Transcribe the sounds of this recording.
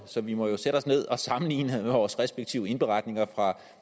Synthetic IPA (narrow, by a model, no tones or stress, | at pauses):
sɒ̽ʋimɒ̽jo̝seɾ̥əɒ̽sne̝ð̞̰ˠɒ̽sɑ̈mn̩lḭːnəeʋɒːsʁɛsb̥eɡ̥̚t͡sʰiʊəe̝nb̥e̝ʁɑ̈d̥ne̝ŋɐfʁɑ̈